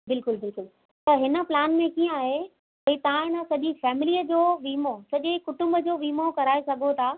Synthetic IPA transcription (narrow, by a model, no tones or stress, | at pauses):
bɪlkʊlbɪlkʊl | t̪ɐɦɪnə̆plaːnmẽkiːə̃aːɦe | ɐĩt̪ɐʋ̤ãɪnəsɐʄĩfɛːmɪliːəd͡ʑoːʋiːmosɐʄekʊʈʊ̃mbəd͡ʑoːʋiːmokɐɾaːesɐɡʱot̪ʰaː